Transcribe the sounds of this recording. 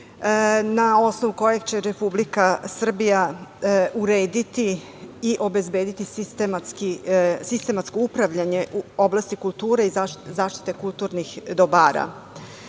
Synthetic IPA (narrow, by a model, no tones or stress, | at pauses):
nao̞snoʋuko̞jeɡt͡ɕe̞ɾepublikasr̩bija | uɾeːd̪it̪i | iʔo̞be̞zbeːd̪it̪isist̪emat̪skisist̪e̞mat̪sko̞upɾaʋʎaɲe̞ʔuo̞blˠast̪ikulˠt̪uːɾeizazaːʃt̪i̥t̪e̞kulˠt̪uɾnixd̪obaːɾa̰